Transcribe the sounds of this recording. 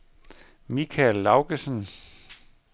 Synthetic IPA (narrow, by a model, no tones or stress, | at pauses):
mikʰælːɑ̈ʊɡ̥əsən